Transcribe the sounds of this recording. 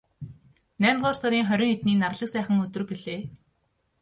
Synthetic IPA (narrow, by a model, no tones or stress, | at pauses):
næːmʲt̪ɢʊːrsaɾʲiːŋχœɾʲɞ̆ŋet̪niːnarɮə̆ksæːχə̆ŋɵt̪ɵ̆rpiɮeː